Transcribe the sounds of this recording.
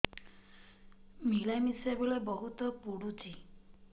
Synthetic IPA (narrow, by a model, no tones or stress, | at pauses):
milajmisabilɔjbɔɦut̪ɔpuɽut͡ʃʰi